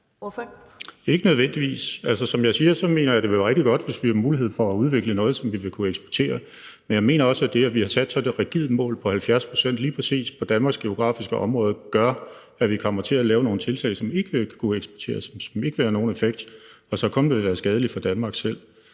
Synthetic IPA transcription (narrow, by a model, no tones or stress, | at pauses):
e̝ɡ̥ənøð̞ˠʋen̰d̥iʋḭːsæl̰sɐsɒ̽mjɑ̈ɪsiːɐsɒ̽me̝̰ːnɐjɑɪd̥e̝ʋeʁɛɡ̥̚d̥iɡ̥ɒ̽d̥ʋe̝sʋihɑmuːliɦe̝ð̰ˠfɒ̽æuð̞ˠʋe̝ɡ̥lənɔ̽ːð̞̩ˠsɒ̽mʋiʋe̝kʰueɡ̥sb̥ɒɐt͡sʰe̝̰ːɐ | menjɑɪme̝̰ːnɐɒ̽səæd̥e̝æʋihɑ̈sæd̥sɒ̽d̥e̝ʁɛɡ̥ið̩̰ˠmɔ̰̽ːlpʰɒ̽hælfjæɐspʰʁo̝sen̰d̥liːpʰʁɛsḭːspʰɒ̽d̥ænmɑ̈ɡ̥sɡ̥e̝o̝ɡ̥ʁɑ̰̈fisɡ̥əʔɒ̽mʁɔ̽ːð̞ˠɐɡ̥ɶɐ | æʋikʰɒ̽m̰ɐt͡sʰe̝ælɛːʊno̝ːn̩t͡sʰe̝lt͡sʰɛ̰ɪsɒ̽me̝ɡ̥əʋe̝kʰueɡ̥sb̥ɒt͡sʰe̝̰ːɐssɒme̝ɡ̥əʋeːɐno̝ːn̩efeɡ̥̚d̥ | ɒsɒ̽kʰɔ̽ndeʋeʋæːɐsɡ̥ɛːð̞ˠəlifɒ̽d̥ænmɑ̈ːɡ̥sel̰